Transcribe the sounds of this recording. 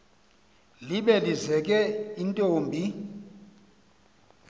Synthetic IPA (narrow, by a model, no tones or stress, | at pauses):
liɓɛlizɛk̬ʼɛintʼoːmbʱi